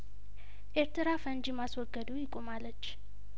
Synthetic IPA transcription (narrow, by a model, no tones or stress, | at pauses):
ʔeɾt̪ʰɨɾafənd͡ʒimaswɔɡːəd̪ujɪkʼomalːət͡ʃː